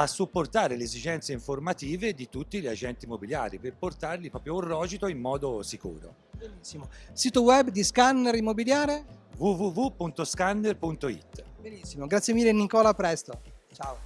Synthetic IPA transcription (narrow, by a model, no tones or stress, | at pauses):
asːupːort̪aːɾeleːzid͡ʒɛnt̪seiɱformat̪iːved̪it̪ut̪ːiʎad͡ʒɛnt̪iːmːobilja̰ːɾiperport̪arlipɾɔːpɾjourːɔːd͡ʒit̪oimːɔːd̪osikṵːɾo̰ | benisːimosiːt̪owɛbːd̪iskanːeɾimːobiljaːɾevuvuvupunt̪oskanːerpunt̪oḭt̪ːbenisːimoɡɾat̪sːjemiːlːenikɔːlapɾɛst̪ot͡ʃaːo